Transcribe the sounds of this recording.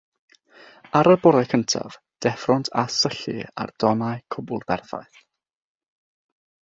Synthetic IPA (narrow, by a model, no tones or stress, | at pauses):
aɾəbɔɾɛkʰəntʰa̰v̥ | d̥ɛfrɔntʰasəɬḭa̰rd̥ɔnaɨkʰʊbʊlˠbɛrθa̰ɨθ